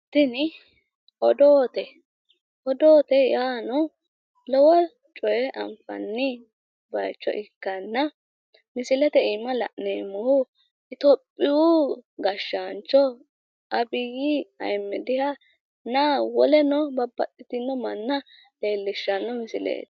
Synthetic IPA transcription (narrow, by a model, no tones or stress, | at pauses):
t̪ɪnɪ | ʔɔd̪oːt̪ɛ | ʔɔd̪oːt̪ɛjaːnɔ | lɔwɔ | t͡ʃʼɔjɛʔɐ̰mfɐ̰nːɪ | bɐjt͡ʃːɔ̰ʔɪkːɐnːɐ | mɪsɪlɛt̪ɛɪmːɐlɐ̰ʔneːmːʊhʊ | ɪt̪ɔpʼːɪwuɡɐʃːant͡ʃːɔ | ʔɐbɪɡiɐ̰jmːɛd̪ɪhɐ | nawɔlɛnɔbɐbːɐt̪ʼːɪt̪ɪnːɔmɐnːɐ | le̞ːlːɪʃːɐnːɔmɪsɪlḛːt̪